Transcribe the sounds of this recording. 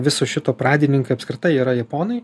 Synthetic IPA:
ʋʲɪsoːʃʲɪt̪oːpɾɑːd̪ʲɪnʲɪŋkɐɪɐpʲskɾʲɪt̪ɐɪiːɾɐjɛpoːnɐɪ

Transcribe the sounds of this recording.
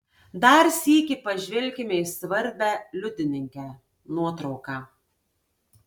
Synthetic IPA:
d̪ɐɾsʲiːkʲɪpɐʒʲʋʲɛlʲˑkʲɪmʲeɪsʋɐɾʲbʲæːlʲʊd̪ʲɪnʲɪŋʲkʲɛ | nuɔt̪ɾɒʊkɑː

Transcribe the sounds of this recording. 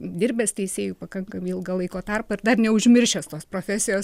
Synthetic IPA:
d̪ʲɪɾʲbʲɛːst̪ʲɛɪsʲeːjupɐkɐŋkɐmiɪlˠɡɐlˠɐɪkoːt̪ɐrpɐɪɾd̪ɐrnʲɛʊʒʲmʲɪɾʲʃʲɛst̪oːspɾoːfʲæːsʲɪjoːs

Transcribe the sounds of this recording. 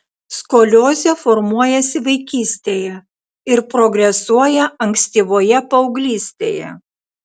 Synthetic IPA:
skoːlʲoːzʲefoɾmuɔjɛsʲɪʋɐɪkʲiːsʲt̪ʲeːjɛ | ɪɾpɾoɡɾʲɛsuɔjɛɐŋʲksʲt̪ʲiːʋoːjɛpɐʊɡlʲiːsʲt̪ʲḛːjɛ̰

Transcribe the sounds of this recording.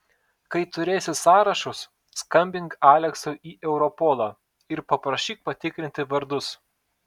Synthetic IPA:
kɐɪt̪ʊɾʲeːsʲɪsɑːɾɐʃʊsː | kɐmʲbʲɪŋkɑːlʲɛksoʔiːʔɛʊɾɔpɔːlˠɐː | ɪɾpɐpɾɐʃʲiːk̚pɐt̪ʲɪkɾʲɪnʲt̪ʲɪʋɐɾd̪ʊs

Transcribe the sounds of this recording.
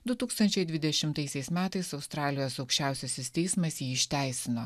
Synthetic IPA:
d̪ʊt̪uːkst̪ɐnʲt͡ʃʲɛɪd̪ʲʋʲɪd̪ʲɛʃʲɪmt̪ɐɪsʲɛɪsmʲæːt̪ɐɪsɒʊst̪ɾɑːlʲɪjoːsɒʊkʃʲt͡ʃʲæˑʊsʲɛsʲɪsʲt̪ʲɛɪsmɐsjiːɪʃʲt̪ʲæˑɪsʲɪnoː

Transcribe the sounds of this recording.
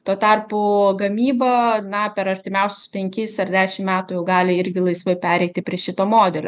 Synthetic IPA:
t̪uoɔt̪ɑrpʊɡɐmʲiːbɐnɐpʲɛɾɐɾʲt̪ʲɪmʲɛˑʊsʲʊ̥spʲɛŋʲkʲɪsɐrd̪ʲæːʃʲɪmmʲæːt̪ʊjɛʊɡɑːlʲɪɪɾʲɡʲɪlˠɐɪsʋoɪpʲæːɾʲɛɪt̪ʲɪpʲɾʲiɛʃʲɪt̪oːmoːd̪ʲɛlʲoː

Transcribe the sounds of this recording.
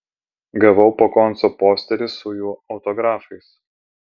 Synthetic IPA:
ɡɐʋɐʊpokɔnˑsoːpoːsʲt̪ʲɛɾʲɪsʊjuːɒʊt̪ɔɡɾɑːfɐɪs

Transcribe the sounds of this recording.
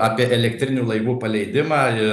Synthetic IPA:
ɑːpʲiɛʔɛlʲɛkt̪ʲɾʲɪnʲuːlˠɐɪʋuːpɐlʲɛɪd̪ʲɪmaːɪ

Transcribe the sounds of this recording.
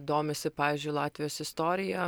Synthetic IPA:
d̪oːmʲesʲɪpɑːʋʲiːzʲd͡ʒʲʊɪlˠɑːt̪ʲʋʲɪjoːsɪst̪oːɾʲɪjɛ

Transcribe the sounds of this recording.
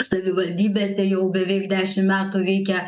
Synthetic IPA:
sɐʋʲɪʋɐlʲd̪ʲiːbʲeːsʲɛjɛʊbʲɛʋʲɛɪkd̪ʲæːʃʲɪmmʲæːt̪uʋʲɛɪkʲɛ

